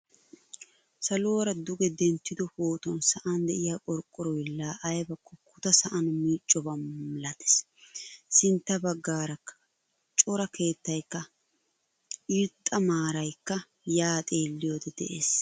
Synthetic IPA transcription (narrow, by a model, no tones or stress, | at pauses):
sɐloːɾɐd̪ʊɡɛd̪ɛnt̪ːɪd̪ɔfoːt̪ɔnsɐʔɐnd̪ɛʔɪjaːʔʼɔɾkʼːɔɾɔjlːaːʔɐjbɐkːɔkʊt̪ɐsɐʔɐnmiːt͡ʃʼːɔbɐmmɪlɐt̪ɛ̥s | sɪnt̪ːɐbɐɡːaːɾɐkːɐ̥ | t͡ʃʼɔɾɐke̞ːt̪ːɐjkːɐ | ɪɾt̪ʼːɐmaːɾɐjkːɐ | jaːt̪ʼe̞ːlːɪjod̪ɛd̪ɛ̰ʔḛːs